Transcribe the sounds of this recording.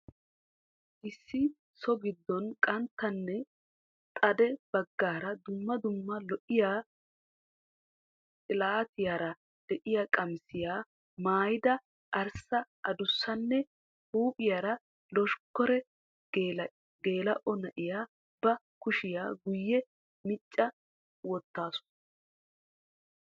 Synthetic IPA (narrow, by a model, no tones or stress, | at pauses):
ʔɪsːɪ | sɔɡɪd̪ːɔnkʼɐnt̪ːɐnːɛ | t̪ʼɐd̪ɛb̥ɐɡːaːɾɐd̪ʊmːɐd̪ʊmːɐlɔʔɪjaː | tʼɪlaːt̪ɪjaːɾɐ | d̪̥ɛʔɪjaːkʼɐmsɪjaː | maːjɪd̪ɐ | ʔɐɾsɐʔɐd̪ʊsːɐnːɛ | huːpʼɪjaːɾɐ | lɔʃkːɔɾɛ | ɡe̞ːlɐʔɔnɐʔɪjaː | b̥ɐ | kʊʃɪjaːɡʊjːɛ | mɪt͡ʃʼːɐ | wɔt̪ːaːsʊ̥